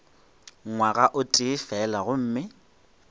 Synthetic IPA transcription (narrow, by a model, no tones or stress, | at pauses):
ŋwaɣaʔʊtʼɪːfɛlaɣʊm̩ːmɪ